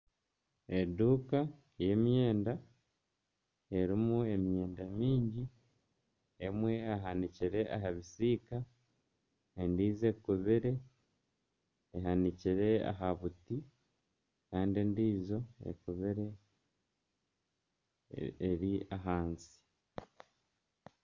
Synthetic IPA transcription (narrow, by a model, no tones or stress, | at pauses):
e̞duːka | je̞mje̞ːnda | e̞ɾimue̞mje̞ːndamiːɲɟi | emwe̞aɦaniciɾe̞ʔa̰ɦaβisiːka | endiːze̞kuβiɾe̞ | eɦaniciɾe̞a̰ɦaβuti | kaːndiendiːzo̞ḛkuβiɾe̞ | ɾiaɦaːnsi̥